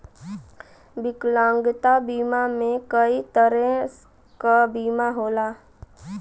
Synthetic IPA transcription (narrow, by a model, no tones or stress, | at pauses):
bɪklãːŋɡt̪abiːmamẽkəit̪əɾẽ | kabiːmaɦoːlaː